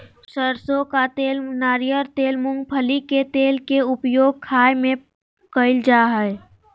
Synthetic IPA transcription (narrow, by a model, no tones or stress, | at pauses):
səɾsokat̪eːlnaːɾijəɾt̪eːlmʊ̃ŋɡ̚pʰəliket̪eːlkeʊpjoːɡ̚kʰaːjmẽ | kəɪld͡ʒaːɦɛ